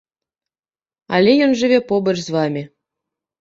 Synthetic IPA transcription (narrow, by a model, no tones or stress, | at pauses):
ɑ̰lʲejonʒɘ̆βʲepobɤ̆rʲzʋɑmʲe